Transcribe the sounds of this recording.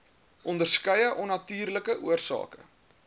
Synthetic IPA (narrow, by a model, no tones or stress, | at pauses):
ʔɔndərskəjəʔɔnɐtyːrləkəʔuərsɑ̰ːkə